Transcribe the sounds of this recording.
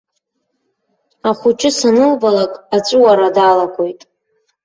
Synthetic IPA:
aχʷʊt͡ʃʼɪsanɨlbalakʼat͡ʃʷʼuwaɾadalakʷʼojtʼ

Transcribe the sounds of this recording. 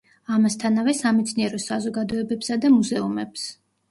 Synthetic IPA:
amast̪ʰanavɛsamɛt̪sʰniɛɾɔsazɔɡad̪ɔɛbɛpsad̪amuzɛumɛps

